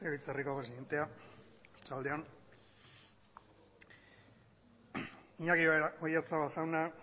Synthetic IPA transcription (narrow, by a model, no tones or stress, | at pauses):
teit͡sariko̞pɾes̬iðe̞nt̪e̞a | et͡sald̪eon | iɲakiojat͡saβasawna